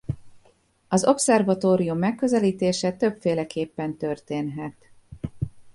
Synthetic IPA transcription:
ɒzo̞ksɛrvɒt̪oːɾijumːɛkːø̞zɛliːt̪eːʃɛt̪øbfeːlɛkeːpːɛnt̪ø̞rt̪eːnɦɛt̪

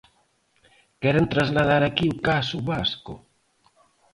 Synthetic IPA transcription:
kɛɾent̪ɾazlað̞aɾakiukasuβaskʊ̰

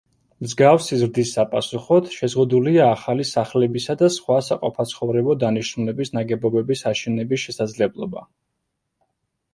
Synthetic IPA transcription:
mzɡafsizɾd̪isːapʼasuχɔt̪ʰʃɛzʁud̪uliaːχalisaχlɛbisad̪asχwasaqʼɔpʰat̪sʰχɔvɾɛbɔd̪aniʃnulɛbisnaɡɛbɔbɛbisaʃɛnɛbisʃɛsad̪zlɛblˠɔ̰ba̰

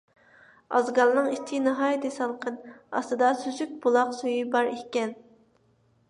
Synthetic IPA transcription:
ɑ̰zɡɑɾnɨŋit͡ʃʰːinɑɦɑːjd̪esɑlˠqənɑ̰st̪ɨd̪ɑsyzyk̚ʲbulˠɑqsojybɑɾehʲkʲɛn

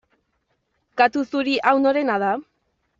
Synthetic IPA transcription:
kat̪usuɾiʔawnoɾe̞nað̞a

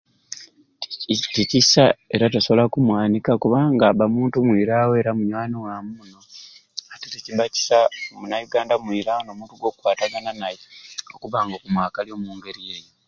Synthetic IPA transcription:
ticisae̞ɾataso̞βolakumwaːnikakuβaːŋɡaːβamuːntumwiːɾawo̞ɾamuɲwaːniwamuːnoateticiβaci̥samunajuɡaːndamwiːɾawonoːmuːntuɡo̞kwaːtaɡananajeokuβaːŋɡokumwaːkaljo̞ːmuːŋɡe̞ɾie̞ːjo

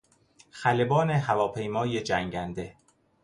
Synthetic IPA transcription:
xælebɒːneɦævɒːpʰe̞jmɒːjed͡ʒæŋɟænd̪e̞

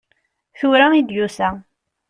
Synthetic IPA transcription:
θʊɾaid̪jusæ

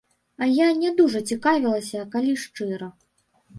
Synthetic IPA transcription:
ɐjanʲɛd̪uʐɐt͡sʲikavʲilˠɐsʲɐkalʲiʂt͡ʂɨɾɐ

